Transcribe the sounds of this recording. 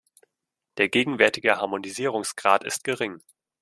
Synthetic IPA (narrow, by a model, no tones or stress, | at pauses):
d̥eːɐɡeːɡŋ̩vɛɐtɪɡəhaɐmoniziːʁ̞ʊŋsɡ̥ʁaːtɪ̰st̚ɡ̥əʁɪŋ